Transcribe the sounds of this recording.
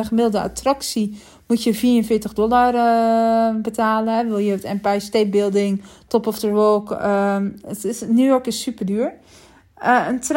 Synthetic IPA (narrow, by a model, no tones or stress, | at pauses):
əχəmɪdl̩ˠdəa̰traksi | mutjəfiːənfɪətəxdɔlar | bətʰaːləɦɛʋɪlˠjəøtɛmpajstet̚bɪlˠdɪŋtɔpɔfdəʋoːk | ətɪsnjujɔrkɪsːypərdyːəɹ | əntr